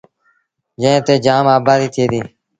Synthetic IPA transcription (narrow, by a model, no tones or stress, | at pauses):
d͡ʒə̃ẽːt̪eːd͡ʒaːmaːbaːd̪iːt̪ʰeːd̪iː